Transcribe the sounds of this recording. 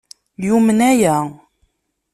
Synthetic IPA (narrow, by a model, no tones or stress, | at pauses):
jumənæjæ